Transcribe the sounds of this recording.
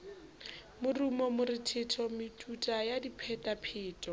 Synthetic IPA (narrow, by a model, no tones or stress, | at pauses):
mʊrumɔmʊrɪtʰɪtʰɔmɪtʰʼutʼajadipʰɛtʼapʰɪːtʼɔ